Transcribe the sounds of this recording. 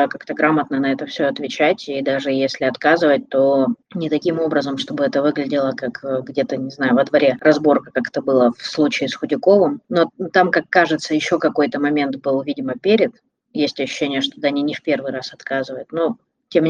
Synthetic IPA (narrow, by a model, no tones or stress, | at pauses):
kakt̪əɡɾamət̪nənɐɛt̪əfsʲoɐt̪vʲɪt͡ɕætʲid̪aʐɨjesʲlʲɪɐt̪kazɨvət̚ʲt̪onʲɪt̪ɐkʲimo̞bɾəzəmʂt̪o̞bɨɛt̪əvɨɡlʲɪdʲɪlˠəkakːɡdʲe̞t̪ənʲɪznajʊvəd̪vɐɾʲerɐzbo̞rkəkakɛ̥t̪əbɨlˠəfslˠut͡ɕɪːsxʊdʲɪko̞vɨmno̞t̪amkakːaʐɨt̪səjɪɕːo̞kɐko̞jt̪əmɐmʲe̞nt̪bɨlˠvʲidʲɪməpʲeɾʲɪt̪ | jesʲtʲɐɕːʉ̥ɕːenʲɪjəʂt̪od̪anʲinʲɪfpʲe̞rvɨjɾasɐt̪kazɨvəjʊt̪no | tʲemʲ